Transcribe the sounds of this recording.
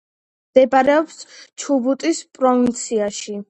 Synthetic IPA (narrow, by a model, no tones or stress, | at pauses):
md̪̥ɛbaɾɛɔpst͡ʃʰubut̪ʼispʼɾɔvint̪sʰiaʃi